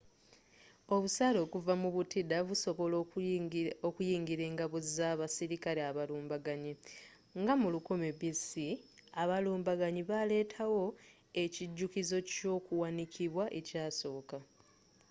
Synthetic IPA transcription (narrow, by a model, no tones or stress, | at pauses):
o̞βusaːlo̞ːkuvamuβutidaβuso̞βo̞lo | okujiːŋɡiɾe̞ːŋɡaβozizaβasiɾikaɾeaβaluːmbaɡaɲi | ŋɡamulukomebisiaβaluːmbaɡaɲiβale̞ːtʰawo̞ | e̞ciɟːukizo̞co̞ːkuwanicʰiβwaʔe̞caːso̞ːka